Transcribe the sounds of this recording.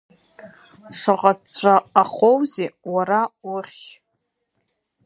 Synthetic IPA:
ʂaqʼaaːχowzewaɾawʊχʲ

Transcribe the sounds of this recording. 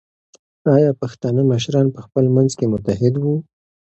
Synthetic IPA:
ɑjɑpaxt̪ɑnəməʃ̬ɾɑnpəxpəlmanzkemʊt̪aɦɪd̪wu

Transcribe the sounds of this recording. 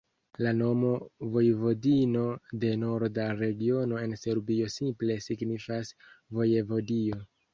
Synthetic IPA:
lano̞mo̞vo̞jvo̞dino̞de̞no̞ɾdaɾe̞ɡio̞no̞e̞nse̞ɾbio̞simple̞siɡnifasvo̞jevo̞dio̞

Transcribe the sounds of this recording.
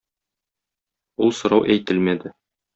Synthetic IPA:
ulˠsŏɾɑwʔæjt̪ɘlmæd̪ɘ

